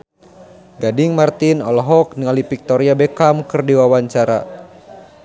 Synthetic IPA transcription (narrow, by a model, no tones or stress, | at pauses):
ɡadiŋmart̪inɔlɔɦɔk̚niŋalipik̚t̪ɔɾiabɛkamkɨrdiwawaɲt͡ʃaɾa̰